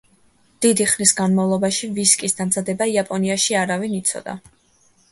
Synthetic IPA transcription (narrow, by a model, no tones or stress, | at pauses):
d̪̥id̪iχnisɡanmavlˠɔbaʃiviskʼisd̪amzad̪ɛbaiapʼɔniaʃiaɾavinit̪sʰɔ̰d̪a̰